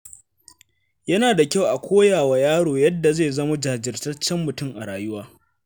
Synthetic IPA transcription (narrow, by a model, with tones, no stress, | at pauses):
jɐ˦naː˨da˨kʲa˦wʔa˨kʷʰoː˦jaː˨wa˨jaː˦ɽoː˨jɐ˦dːa˨zeː˦˨zɐ˦ma˦d͡ʒa˨hd͡ʒɪ˨rtɐ˦t͡ʃːɛ˦mːʊ˨tʊ˦˨mʔa̰˨ɽaː˨jʊ˦waː˦